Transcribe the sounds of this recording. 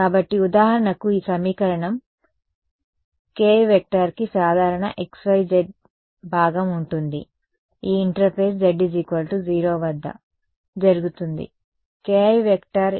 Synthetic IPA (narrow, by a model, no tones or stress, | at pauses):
kkaːbɐʈːiud̪aːɦɐɾɐɳɐkuiːsɐmiːkɐɾɐɳɐm | keːjʋek̚ʈɐɾkisaːd̪ʱaːɾɐɳɐ̰ʔeksʋɐjd͡ʒeɖ̚ | bʱaːɡɐmuɳʈund̪ḭ | iːɳʈɐɾpʰeːs̬d͡ʒeɖːid͡ʒikʋɐlʈud͡ʒiːɾoːʋɐd̪ʱːɐ̰ | d͡ʒɐɾuɡut̪und̪ḭ | keːjʋekʈɐɾ